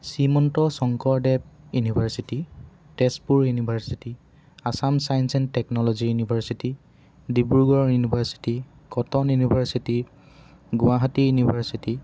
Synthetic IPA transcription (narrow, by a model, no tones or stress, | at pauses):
simɔntɔsɔŋkɔɹdɛb̚junibʱaɹsiti | tɛspuɹjunibʱaɹsiti | asamsajnsɛntɛknɔlɔzijunibʱaɹsiti | dibuɹɡɔɹjunibʱaɹsi̥ti | kɔtɔnjunibʱaɹsiti | ɡʊwaɦatijunibʱaɹsiti